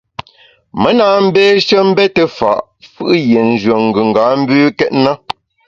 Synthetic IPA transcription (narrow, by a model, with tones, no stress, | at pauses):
mə˦na˦m̩˦beː˦ʃə˦m̩˦bɛ˦tə˦fa̰˨ʔ | fɯ˦ʔje˨n̩˨d͡ʒwo˨ŋ̩˨ɡʉ˨ŋ̩˨ɡaː˨˦m̩˦bʉː˦kɛ˦t̚na˦